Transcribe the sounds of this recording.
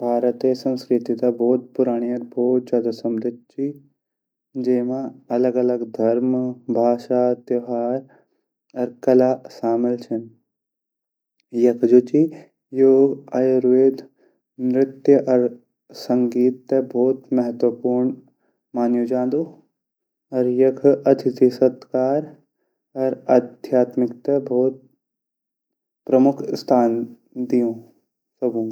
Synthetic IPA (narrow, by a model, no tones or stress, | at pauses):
bʱaːɾət̪esɐ̃nskɾɪt̪it̪abɔːt̪̚pʊɾaːɽ̃iɐɾbʱoːt̪̚t͡ʃaːd̪ɐsɐmɾɪt̪̚t͡ʃi | d͡ʒeːmãɐləɡɐləɡd̪ʱɐɾmbʱaːʃat̪jɐɦaːɾ | ɐɾkɐlaːʃaːmɪlt͡ʃʰɐn | jɐkd͡ʒot͡ʃi | joːɡɐjɾueːd̪ | mɾɪt̪jəʔɐɾ | sɐ̃ŋɡiːt̪ːebʱoːt̪mɛɦət̪wəpuːɾɳ | maːnjod͡ʒãːnd̪u | ɐɾjɐkʰɐt̪ʰɪt̪isɐt̪kaːɾ | ɐɾɐd̪ʱjaːt̪mɪkt̪ebʱoːt̪̚ | pɾɐmʊkʰst̪ʰaːn | d̪ijõː | sɐbũː